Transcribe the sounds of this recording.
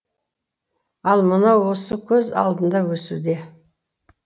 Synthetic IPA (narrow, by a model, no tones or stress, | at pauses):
ɑlˠmənɑwo̞səkʲʰɵzɑ̰lˠd̪ənd̪ɑwɵsud̪e̞